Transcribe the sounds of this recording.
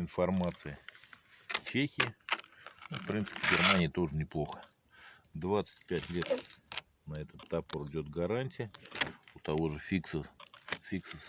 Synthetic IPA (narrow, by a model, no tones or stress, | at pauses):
ɪnfɐrmat̪sɨjə | t͡ɕexʲɪɪ | nufpɾʲint̪sɨ̥pʲɪɡʲɪrmanʲɪjət̪o̞ʐɨnʲɪplˠo̞xə̥ | d̪vat̪sɨ̥tʲpʲætʲlʲe̞t̪ | nɐɛt̪ət̪ːapoɾɪdʲo̞t̪ɡɐɾanʲtʲɪjəʊt̪ɐvo̞ʐɨfʲiksəfʲiksəs